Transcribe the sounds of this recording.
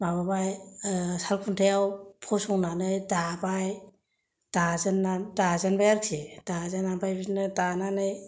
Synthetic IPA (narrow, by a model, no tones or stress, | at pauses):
mababajsalpʰuntʰajawpʰɔsɔŋnanɯjdabaj | d̥azɯnːadazanbajaɾksʰed̥azanambajbinɯdananɯj